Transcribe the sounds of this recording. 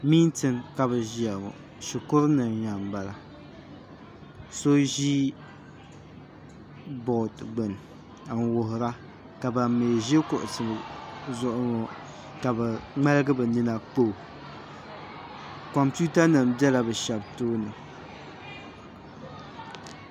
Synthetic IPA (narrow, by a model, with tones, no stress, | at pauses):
miː˦n˦tɨ˦˨nka˨bɨ˨ʒi˦a˨ŋɔ̰˨ | ʃi˨kʊ˦ɾnɨ˨nɲa˨m˨ba˨la˨ | so˦ʒi˦ | bɔ˨tɡ͡bɨ˨n˨ | a˨ŋ˨wʊ˨ɦʊ˨ɾa˦ | ka˨ba˨mːeː˨ʒɪ˦kʊ˨ʔʊ˨sɨ˨bzʊ˦ʔʊ˦ŋɔ˨ | ka˨bɛ˨ŋ͡ma˦lɨ˦ɡɨ˦bɨ˨ni˦na˦k͡po˦˨ | kɔ˨mpu˦ta˦nɨ˨mbɛ˦la˨bɨ˨ʃɛ˨btoː˦nɨ˨